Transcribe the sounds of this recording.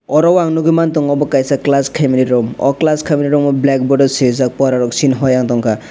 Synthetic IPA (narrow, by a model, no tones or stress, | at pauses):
ɔɾɔwaŋnuɡumant̪ɔŋɔbɔkajsaklaskʰajminiɾɔmɔ̰klaskʰaminiɾɔmɔblɛk̚bɔɖɔsizak̚pɔɾaɾɔksinɦɔjaŋt̪ɔŋka